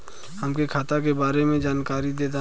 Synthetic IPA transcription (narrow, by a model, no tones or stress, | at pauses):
həmkekʰaːt̪ak̬ebaːɾemẽd͡ʒaːnkaːɾid̪eːd̪a